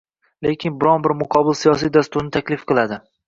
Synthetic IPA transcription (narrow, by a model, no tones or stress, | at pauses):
le̞kʲʰɪnbɪɾɒnbɪɾmʊqʰɒbɪlsijɒs̬ijd̪ast̪ʊɾnɪt̪ʰakʲlɪfqʰɨlˠad̪ɪ